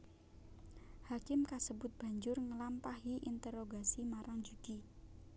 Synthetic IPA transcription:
hakɪmkasəbʊt̪̚b̥a̤ɲd͡ʒʊrŋəlampaɦiʔint̪ɛɾoɡasimaɾaŋd͡ʒud̪̥i

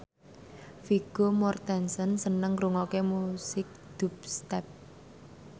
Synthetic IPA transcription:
fiɡ̥omɔrt̪ɛnsənsənəŋɾuŋokemusɪk̚d̪̥ṳp̚st̪ɛp̚

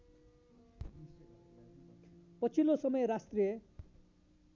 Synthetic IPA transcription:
pʌt͡sʰilosʌmʌjɾast̪rijʌ

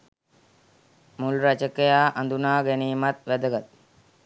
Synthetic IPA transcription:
mulɾat͡ʃəkejaːʔand̪unaːɡeniːmat̪ʋæd̪əɡat̪̚

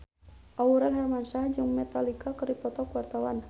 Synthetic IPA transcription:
ʔauɾanɦarmansahd͡ʒɨŋmɛt̪alikakəɾipɔt̪ɔkuwart̪awan

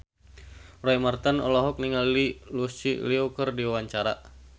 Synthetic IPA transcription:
rɔimart̪anɔ̰lɔɦɔk̚niŋalilusiliukərdiawaɲt͡ʃaɾa

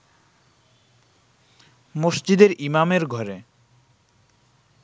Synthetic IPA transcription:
moʃd͡ʑid̪eɾimameɾɡʱɔɾe

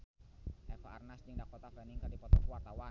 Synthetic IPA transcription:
ʔɛfaarnasd͡ʒiŋdakɔt̪afɛniŋkadipɔt̪ɔkuwart̪awa

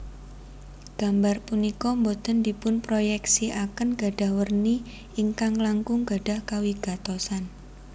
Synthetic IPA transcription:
ɡ̥a̤mbarpunikɔmbod̪̥ə̤ndipʊnpɾojɛksiʔakənɡ̥a̤ɖ̥a̤hwərni | iŋkaŋlaŋkʊŋɡ̥a̤ɖ̥a̤hkawiɡ̥a̤t̪osan

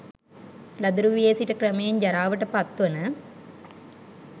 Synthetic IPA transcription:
lɐd̪uɾuʋijeːsiʈəkrɐmejeɲd͡ʒɐɾaːʋəʈəpɐt̪ːʋɐnə

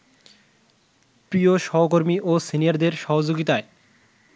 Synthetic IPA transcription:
pɾioʃɔɦok̬oɾmiʔosinijaɾd̪eɾʃɔɦod͡ʑoɡit̪ae

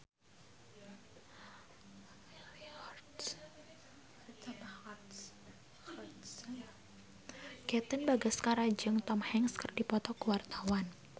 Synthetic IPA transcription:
sn | ɡ̥ɛt̪ənbaɡəskaɾad͡ʒəŋt̪ɔmhɛŋskərdipɔt̪ɔkuwart̪awan

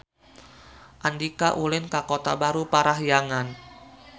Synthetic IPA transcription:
ʔandikaʔulɪnkakot̪abaɾupaɾaɦjaŋan

